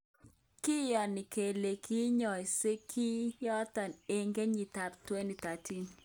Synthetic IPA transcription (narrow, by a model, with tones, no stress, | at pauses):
ki˦jɔ˨nɪ˨ke˨le˨kʰi˦ɲɔ˨se˦kʰi˦jɔ˦t̪a˨ne˦ŋɡe˦ɲi˨t̪a˨p̚twe˦ni˨t̪a˨tʰi˦n